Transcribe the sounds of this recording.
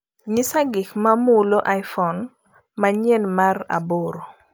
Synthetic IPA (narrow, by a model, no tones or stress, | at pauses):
ɲɪsaɡɪkmamuloʔajfɔn | maɲɛnmara̰boɾo